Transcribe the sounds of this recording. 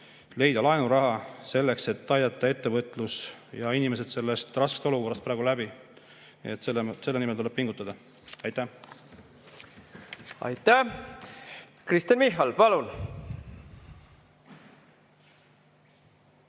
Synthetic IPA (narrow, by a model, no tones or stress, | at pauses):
le̞jd̪̥ɑlɑenuɾɑɦɑse̞lːe̞kse̞t̪ːˑɑjd̪ɑt̪ˑːɑe̞t̪ːe̞vɤt̪ːˑlusjɑinime̞s̬e̞d̪̥se̞lːe̞st̪rɑske̥st̪o̞luko̞rːɑst̪pɾæːɡulæbi | et̪ːsese̞lːenimelt̪ule̞b̥̚piŋɡ̥ut̪ːˑɑd̪̥ɑ | ɑjt̪ːˑæ | ɑ̰jt̪ːæh | krist̪iɑnmiɦːɑlpɑlun